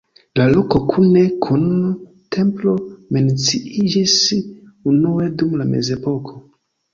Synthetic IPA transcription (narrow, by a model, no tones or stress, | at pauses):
lalo̞ko̞kʰune̞kʰun | tʰe̞mplo̞me̞nt͡siid͡ʒis | unue̞dumlame̞̰ze̞po̞kʰo̞